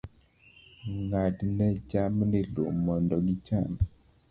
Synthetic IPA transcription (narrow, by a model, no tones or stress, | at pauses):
ŋadnɛd͡ʒamnilo̰mːɔndɔɡit͡ʃan